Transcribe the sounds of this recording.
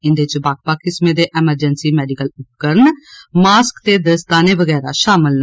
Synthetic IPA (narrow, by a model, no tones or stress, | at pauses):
ɪnd̪eːɪt͡ʃbaːk̚paːkːɪsmẽːd̪eːʔɛːməɾd͡ʒənsiːmɛːɖikəlʊp̚kəɾnmaːskt̪eːd̪əst̪aːneːʋəɡɛːɾaːʃaːməln